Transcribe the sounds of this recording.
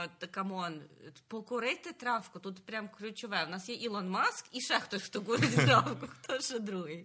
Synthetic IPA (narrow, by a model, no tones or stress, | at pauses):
t̪əkɐmonpokʊɾɛt̪ɛt̪ɾafkʊt̪ut̪pɾʲamklʲʊt͡ɕɪvajʊnasjeilˠonmaskiʂɛxt̪oxt̪ʊɡuɾʲɪtʲt̪ɾafkʊxt̪oʂɨd̪ɾuɦɨj